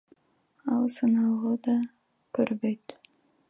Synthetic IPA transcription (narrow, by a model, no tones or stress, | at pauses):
ɑlˠsɯnɑlˠʁod̪ɑ | køɾbøjt̪